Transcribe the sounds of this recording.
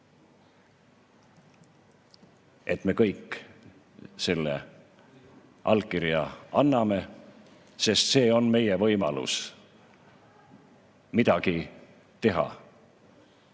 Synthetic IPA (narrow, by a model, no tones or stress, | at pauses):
e̞t̪me̞kɤ̞jkː | se̞lːḛ | ʔɑlkiɾjɑɑnːɑme̞ | se̞st̪se̞ːo̞nme̞jevɤjmɑ̰lṵs | mid̪̥ɑki | t̪e̞ɦɑ̰